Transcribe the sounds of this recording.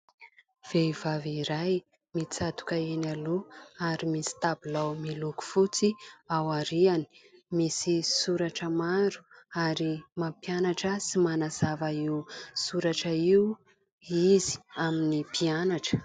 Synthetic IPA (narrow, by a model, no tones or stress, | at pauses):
v̥eivaviɾaj | mit͡sat̪u̥kəenaluaɾimisi̥t̪abulawmiluku̥fut͡siawaɾiani̥misisuɾaʈ͡ʂəmaɾu̥aɾimampianaʈ͡ʂəsimanaz̥avaiusuɾaʈ͡ʂəiu | izi̥aminipianaʈ͡ʂə̥